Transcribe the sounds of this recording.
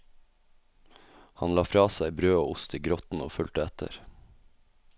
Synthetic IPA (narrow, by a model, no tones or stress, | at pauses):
hɑnlɑːfɾɑːsæɪbɾøːoːʊst̪iːɡɾɔt̪n̩oːfʉlt̪əɛt̪ʰə̰ɾ